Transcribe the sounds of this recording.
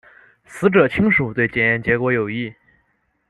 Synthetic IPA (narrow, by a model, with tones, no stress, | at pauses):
sɹ̩˧˥ʈ͡ʂɤ˨˩t͡ɕʰi˥ŋʂu˨˩t̪we˥˩ɪt͡ɕjɛ˨˩njɛ˥˩nt͡ɕjɛ˧˥kwɔ˧˥jo˨˩ʊi˥˩